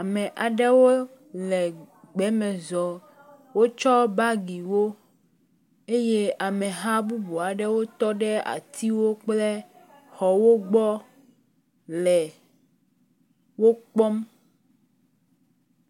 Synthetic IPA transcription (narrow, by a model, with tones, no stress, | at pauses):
a˨mɛ̃˨ʔa˨ɖɛ˦wo˦ | lɛ˨ | ɡ͡bɛ˨˦mɛ̃˨zɔ˨ | wo˦t͡ʃɔ˦ba˦ɡi˨wo˦ | e˦je˦a˨mɛ̃˨ɦa˦bu˦bu˨a˨ɖɛ˦wo˦t̪ɔ˦ɖɛ˦a̰˨t̪ʰi˦wo˦k͡ple˦ | xɔ˨wo˦ɡ͡bɔ˦ | lɛ˨ | wo˦k͡pɔ˦m